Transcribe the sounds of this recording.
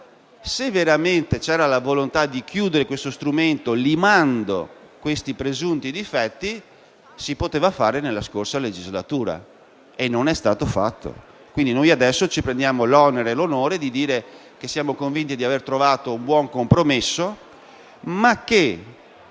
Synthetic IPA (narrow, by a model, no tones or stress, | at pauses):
sevːeɾament̪et͡ʃɛːɾalavolont̪ad̪ik̟juːd̪eɾekwest̪ost̪ɾument̪olimand̪o̰ | kwest̪ipɾezunt̪id̪ifɛt̪ːi | sipot̪eːvafaːɾenelːaskorsaled͡ʒizlat̪uːɾa̰ | enːonɛst̪aːt̪ofat̪ːo̰ | kwind̪inojad̪ɛsːot͡ʃipɾend̪jaːmolɔneɾelonoːɾed̪id̪iːɾe | k̟esːjaːmokoɱvint̪id̪iavert̪ɾovaːt̪oumbwɔŋkompɾomesːo | makːe